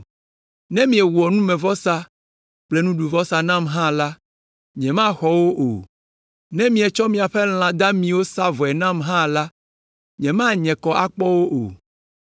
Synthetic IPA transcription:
nɛ̃˦mĩ˨˦ɛ˨wu˨ɔ˨nũ˦mɛ̃˨vɔ˦sa˦ | k͡ple˦nũ˦ɖu˨vɔ˦sa˨nã˦˨mɦã˦la˦ | ɲɛ̃˨mã˦xɔ˨wo˦ʔo̰˨ | nɛ̃˦mĩ˨ɛ˨t͡ʃɔ˦mĩ˨a˨ɸɛ˦l̃ã˨d̪a˦mĩ˨wo˦sa˦vɔ˨ɛ˨nã˦mɦã˦la˦ | ɲɛ̃˨mã˦ɲɛ̃˨kɔ˨ʔa˨k͡pɔ˦wo˦ʔo̰˨

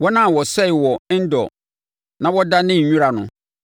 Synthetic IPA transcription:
wɔ˦nã˦˨wɔ˨sɛ˦ɪ˨wɔ˨˦n̩˦dɔ̰˨ | nã˦wɔ˦da˦nɪ̃˦˨ũ˦ɾa˨nʊ̰̃˨

